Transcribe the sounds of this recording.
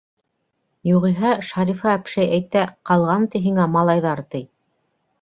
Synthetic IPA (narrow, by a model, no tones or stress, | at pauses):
juʁiɦæʃɑɾifɑːpʃæjæjt̪æqɑlˠʁɑnt̪iɦiŋæmɑlˠɑjðɑɾt̪ɘj